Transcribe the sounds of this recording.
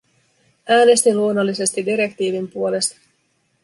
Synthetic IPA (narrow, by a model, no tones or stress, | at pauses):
ʔæːne̞st̪iluo̞nːolːise̞st̪idiɾe̞kt̪iːʋimpuo̞le̞st̪ɑ̥